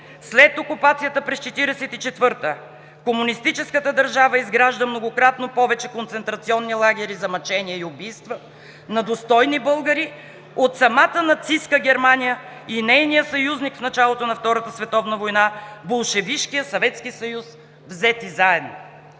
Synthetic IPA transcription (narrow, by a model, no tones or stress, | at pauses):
slɛt̪okupat̪sijət̪əpɾɛst͡ʃɛt̪iɾɛsɛt̪it͡ʃɛt̪vɤɾt̪ə | komunist̪it͡ʃɛskət̪əd̪ɐɾʒavəizɡɾaʒd̪əmnoɡokɾat̪nopɔvɛt͡ʃɛkont̪sɛnt̪ɾɐt̪siɔnːilˠaɡʲɛɾizɐmɐt͡ʃɛniɛiʊbijst̪və | nɐd̪ost̪ɔjnibɤlˠɡəɾi | ot̪sɐmat̪ənɐt̪siskəɡʲɛɾmanijəinɛjnijəsɐjuznikfnɐt͡ʃalˠot̪onɐft̪ɔɾət̪əsvɛt̪ɔvnəvojnabolˠʃɛviʃkijəsɐvɛt̪skisɐjus | vzɛt̪izaɛd̪no̰